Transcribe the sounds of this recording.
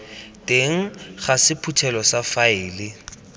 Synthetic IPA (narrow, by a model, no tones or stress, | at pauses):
tʼeŋ̩χasɪpʰutʰɛlɔsafaɪːlɪ